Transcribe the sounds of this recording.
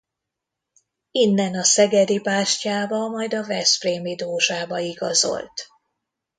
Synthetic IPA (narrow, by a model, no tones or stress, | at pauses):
inːɛnɒsɛɡɛd̪ipaːʃcaːbɒmɒjd̪ɒvɛspreːmid̪oːʒaːbɒiɡɒzo̞̰lt̪